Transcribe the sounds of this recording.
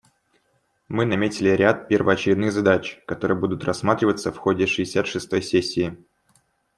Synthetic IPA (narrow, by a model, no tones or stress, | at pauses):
mɨnɐmʲetʲɪlʲɪɾʲat̪̚pʲervəɐt͡ɕɪɾʲɪd̪nɨɣzɐd̪at͡ɕkɐt̪o̞ɾɨjəbud̪ʊt̪rɐsːmat̪ɾʲɪvət̪səfxo̞dʲɪʂɨɪsʲat̪ʂɨst̪o̞jsʲesʲːɪː